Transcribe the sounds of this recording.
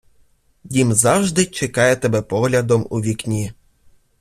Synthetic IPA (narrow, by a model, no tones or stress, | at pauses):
jʲimzɑwʒd̪ɪt͡ʃɛkɑjɛt̪ɛbɛpɔɦlʲɐd̪ɔmṵʋʲiknʲi